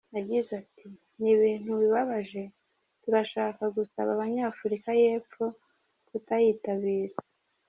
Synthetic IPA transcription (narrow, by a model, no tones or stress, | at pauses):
naɟizatʰi | niβiːn̥huβiβaβaʒe̞ | tuɾaʃaːkaɡusa̰βaβaɲaːfuɾikaje̞ːfo̞ | kutajiːtaβiːɾa